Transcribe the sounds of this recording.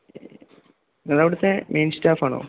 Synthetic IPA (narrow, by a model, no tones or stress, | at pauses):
nɐðaʋiɽut̪ːemʔejnstaːfaːɳo̰ː